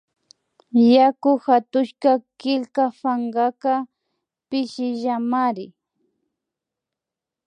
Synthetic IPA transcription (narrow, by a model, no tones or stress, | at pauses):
jakʊxat̪ʊʃkakɪlkafaŋɢaka | pɪʃɪʒamaɾɪ